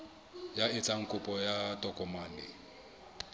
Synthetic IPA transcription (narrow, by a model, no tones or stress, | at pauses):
jaɪt͡sʼaŋ̩kʼʊpʼɔjatʼɔkʼɔmaːnɪ̰